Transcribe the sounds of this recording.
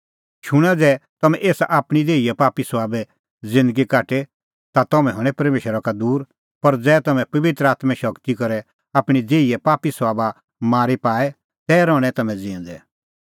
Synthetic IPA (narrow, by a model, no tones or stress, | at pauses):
ʃʊɽ̃ad͡zɛːt̪ɐmɛ̃ʔeːsʔaːpɽ̃ideːijɛpaːpisʋaːbɛ | d͡zɪ̃nd̪əɡikaːʈe | t̪at̪ɐmɛ̃ɦɐɽ̃ɛ̃pɐɾmeːʃəɾakad̪uːɾ | pɐɾd͡zɛːt̪ɐmɛ̃pɐʋɪt̪ɾəaːt̪mɛ̃ʃɐkt̪ikɐɾɛ | aːpɽ̃id͡zeːijɛpaːpisʋaːba | maːɾipaːɛ | t̪ɛːɾɔːɽ̃ɛ̃t̪ɐmɛ̃d͡zĩnd̪ɛ